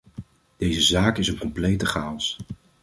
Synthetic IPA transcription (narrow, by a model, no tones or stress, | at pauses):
d̥ejzəzaːkɪsənkɔmplejtəχaːɔs